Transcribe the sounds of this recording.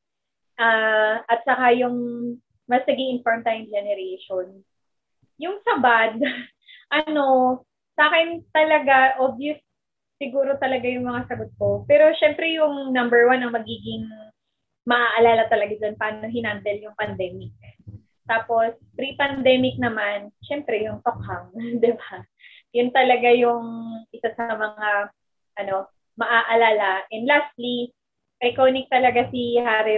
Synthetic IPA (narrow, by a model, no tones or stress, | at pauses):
ʔaʔɐt̪̚sɐkajʊŋ | mɐsnɐɡiɪnfoɹmt̪aːjʊŋd͡ʒɛnɛɾejʃon | jʊŋsɐbad̪̚ | ʔɐno̞ | saːkɛnt̪ɐlɐɡaʔobjʊsː | ɪɡuːɾo̞t̪ɐlɐɡajʊŋmɐŋasɐɡot̪̚kopɛːɾo̞ʃɛmpɾɛjʊŋnɐmbɛɹwanɐŋmɐɡiːɡɪŋ | mɐʔaʔɐlaːlɐt̪ɐlɐɡad̪onpɐaːno̞ɦɪnand̪ɛljʊŋpɐnd̪ɛːmɪk̚ | t̪aːpo̞s | pɾipɐnd̪ɛːmɪk̚nɐmanʃɛmpɾɛjʊŋt̪ok̚haŋd̪ɪba | jʊnt̪ɐlɐɡajʊŋʔɪsasɐmɐŋa | ʔɐno̞ | mɐʔaʔɐlaːlɐʔɛnd̪last̪li | pɐjkoːnɪk̚t̪ɐlɐɡasihaːɾɛ